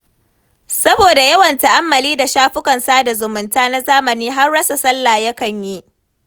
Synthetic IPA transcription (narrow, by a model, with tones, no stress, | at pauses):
sɐ˦boː˨da˨jɐ˦wɐ˨nta˨ʔa˦mːɐ˨liː˦da˨ʃaː˦ɸʊ˦kɐ˨nsaː˦da˨zʊ˨mʊ˨ntaː˦na˦zaː˦mɐ˨niː˦ɦa˦rːɐ˦sa˨sɐ˦lːaː˨jɐ˦kɐ˨ɲji˦ʔ